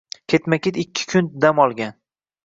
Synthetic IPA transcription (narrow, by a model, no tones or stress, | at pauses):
kʲʰe̞t̪makʲet̪ɪkʲʰːɪ̥kʰʊnd̪amɒlˠɡʲan